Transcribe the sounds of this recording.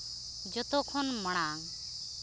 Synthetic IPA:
d͡ʒɔt̪ɔkʰɔnmɔɽ̃aŋ

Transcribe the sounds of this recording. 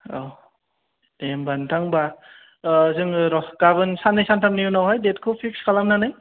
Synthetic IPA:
aw | d̥embantʰaŋba | zɯŋɾɔɡ̥abɯnsanːɯjsantʰamnijunawɦajdet̚kʰɯpʰik̚skʰalamnanɯj

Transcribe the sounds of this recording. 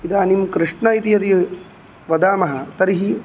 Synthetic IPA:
id̪aːnimkɾiʂɳɐit̪ijɐt̪i | ʋɐd̪aːmɐɦɐt̪ɐɾiɦi

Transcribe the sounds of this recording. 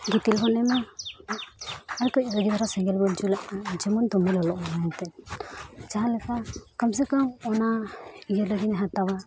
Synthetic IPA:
ɡit̪ilɦɔnɛma | aɾkɔc̚ɾəɡibaɾasɛŋɡɛlbɔnt͡ʃulaʔd͡ʒɛmɔnd̪ɔmɛlɔlɔʔmaɛnt̪ɛn | d͡ʒaɦalɛkakams̬ɛkamɔnaiɡəɾlaɡinɛɦat̪awa

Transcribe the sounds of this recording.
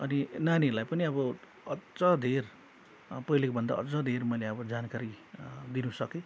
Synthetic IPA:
ʌninanilajpʌniʌbʌ | ʌt͡sad̪ʱer | pʌilekobʱʌnd̪a̰ʌ̰t͡sad̪ʱermʌjleʌbʌd͡zankaɾid̪inusʌke

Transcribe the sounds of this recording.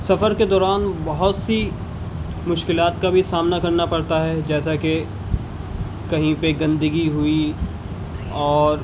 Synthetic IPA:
sɐfəɾked̪ɔːɾaːnbɐɦʊt̪si | mʊʃkɪlaːt̪kabʱisaːmnakɐɾnapɐɽt̪aɦɛd͡ʒɛːsake | kɐɦĩpeɡɐ̃nd̪əɡiɦʊi | ɔːɾ

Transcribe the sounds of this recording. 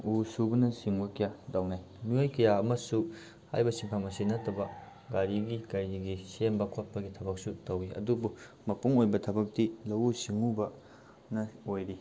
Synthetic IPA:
usubɐnɐsiŋbɐkɐjadawnaj | nujojkɐjaɐmɐsu | ha̰jbɐsiŋpʰamɐsinɐtʰːɐbɐ | ɡaɾiɡikɐjiɡisembɐkʰot̚pɐɡitʰɐbɐk̚sutɐwiʔɐ̰dubu | mɐpuŋojbɐtʰɐbɐk̚tilɐwusiŋubɐ | nɐojɾi

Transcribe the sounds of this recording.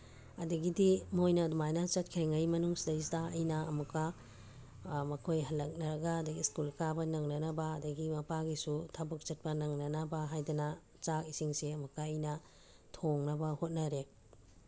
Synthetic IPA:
ɐdɐɡidimojnɐdumajnɐt͡ʃɐt̚kʰiɾiŋɐjmɐnuŋsidɐistaɐjnɐɐmɐkːɐ | mɐkʰojɦɐlːɐk̚nɐɾɐɡɐːdɐɡiskulkabɐnɐŋnɐnɐbɐːdɐɡimɐpaɡisutʰabɐk̚t͡ʃɐt̚pɐnɐŋnɐnɐbɐɦajdɐnɐ | t͡ʃakisiŋseɐmɐkːaːjnɐ | tʰoŋnɐbɐhot̚nɐɾe

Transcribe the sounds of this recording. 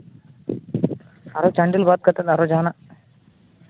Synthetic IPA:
ɐɾot͡ʃɐɳɖilbaːt̪̚kɐt̪ːɐnɐɾod͡ʒaːnɐ

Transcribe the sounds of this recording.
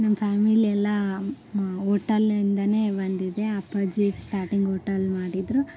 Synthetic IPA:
nɐmːɐpʰaːmiliɛlːɐ | oːʈɐlind̪ɐne̞ːbɐnd̪id̪e̞ɐpɐd͡ʒisʈaːɾʈiŋɡoːʈɐlmaːɽid̪ɾu

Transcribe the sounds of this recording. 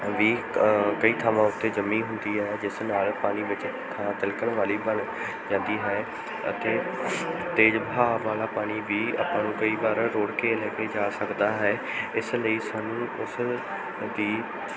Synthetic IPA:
ʋiː | kəiːt̪ʰaːʋãːʊt̪ːeːd͡ʒəmːĩːɦʊnd̪iːɦɛːd͡ʒɪsnaːlpaːɽ̃iːʋɪt͡ʃ | t̪ʰãt̪əlkəɳʋaːliːbəɳ | d͡ʒãːnd̪iːɦɛː | ə̰t̪eː | t̪eːd͡ʒbʱaːʋaːlaːpaːɽ̃iːʋiːa̰ːpãːnũːkəiːbaːɾːoːɽkeːlɛːkeːd͡ʒaːsəkd̪aːɦɛː | ɪsləiːsaːnũːʊs | d̪iː

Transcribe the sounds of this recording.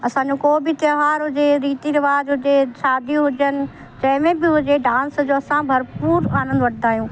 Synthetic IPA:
ɐsãːɲd͡ʑokoːbɪt̪jɐɦaːɾɦʊd͡ʑeɾiːt̪iɾɪʋaːzɦʊd͡ʑeʃaːd̪iɦʊd͡ʑənɪ̆ | d͡ʑɐ̃ɦɪ̃mẽbɪɦʊd͡ʑeɖãːnsd͡ʑoːɐsãbʱɐɾpuːɾaːnə̃nd̪ʋɐʈʰd̪aːjũː

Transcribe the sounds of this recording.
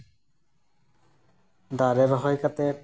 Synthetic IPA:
d̪aɾeɾɔɦɔjkat̪e

